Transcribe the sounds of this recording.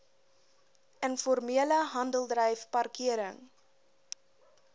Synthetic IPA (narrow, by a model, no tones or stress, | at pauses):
ʔənfɔrmiələɦɐndəlˠdrɛjfpɐrkiəɾəŋ